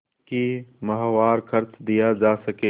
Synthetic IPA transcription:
kimɐɦʋaːɾkʰɐɾt͡ʃd̪ijad͡ʒaːsɐkeː

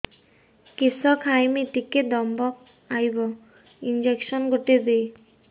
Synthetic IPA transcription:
kisɔkʰajmit̪iked̪ɔmbɔk̚ | ajbɔ | ind͡ʑekʃɔnɡoʈed̪ej

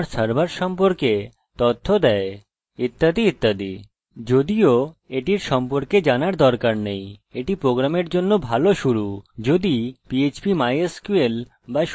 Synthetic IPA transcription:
ɾsaɾbaɾʃɔmpoɾke | t̪ot̪ʰːod̪ɛe | it̪ːad̪iit̪ːad̪ḭ | d͡ʑod̪ioeʈiɾʃɔmpoɾked͡ʑanaɾd̪ɔɾkaɾnejeʈipɾoɡɾameɾd͡ʑonːobʱaloʃuɾud͡ʑod̪ipiet͡ɕbimajeskuel | baʃ

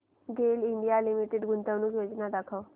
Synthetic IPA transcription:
ɡeːlɪɳɖijaːlɪmiʈeɖɡʊnt̪ənũːjoːd͡ʒnaːd̪əkʰaoː

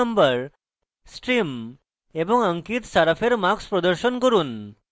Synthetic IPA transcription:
əmbəɾ | sʈɾim | ebɔŋəŋkit̪saɾapʰeɾmakspɾɔd̪əɾʃɔnkɔɾuːn

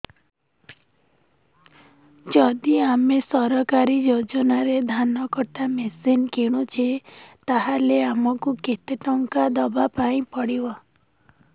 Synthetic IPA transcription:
d͡ʒɔd̪iamesɔɾɔkaɾid͡ʒod͡ʒɔnaɾed̪ʱanɔkɔʈamesinkiɽ̃ut͡ʃʰet̪aɦaleamɔkuket̪eʈɔŋkad̪ɔbapaĩpɔɽibɔ

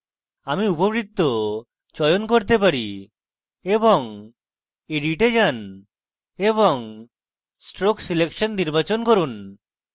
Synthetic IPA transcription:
amiupobɾik̚t̪ːɔ | t͡ʃɔjɔnkoɾt̪epaɾi | ebɔŋ | eɖiʈed͡ʒan | ebɔŋ | sʈɾoksilekʃɔnːiɾbat͡ʃɔnkoɾun

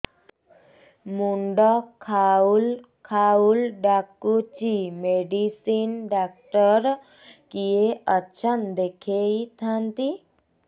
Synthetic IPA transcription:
muɳɖɔkʰaul | kʰaulɖakːut͡ʃimeɖisinɖak̚ʈɔɾ | kijeətːt͡ʃʰand̪ekʰeit̪ʰant̪i

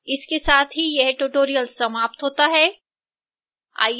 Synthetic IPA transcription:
ɪskesaːt̪ʰɦijɐɦʈuːʈoːɾijəlsɐmaːp̚t̪ɦoːt̪aɦɛː | a̰ː

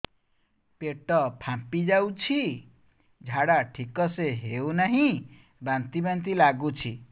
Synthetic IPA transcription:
peʈːʌpʰãpid͡zawt͡sʰi | d͡zʱaɽaʈʰikːʌseɦewnʌɦĩ | bãnt̪ibant̪̬ilaɡut͡sʰi

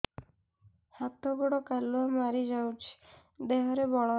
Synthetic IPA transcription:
hat̪ɔɡɔɽɔkaluamaɾid͡ʒawt͡ʃʰi̥ | d̪eɦɔɾebɔɭɔ

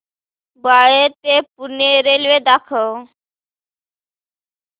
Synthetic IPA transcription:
baɭet̪epuneɾelʋed̪akʰəw

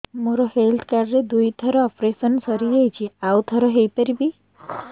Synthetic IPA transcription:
moɾɔhelt̪ʰkaɾɖɾed̪ujt̪ʰɔɾɔɔpɾesɔnsɔɾiejt͡ʃʰiawt̪ʰɔɾɔɦejpɔɾibi

